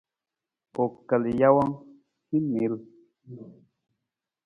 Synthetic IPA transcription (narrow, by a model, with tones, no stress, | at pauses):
o˨kə˨li˨ja˦wɔ˦ŋ | hi˦mi˨˦l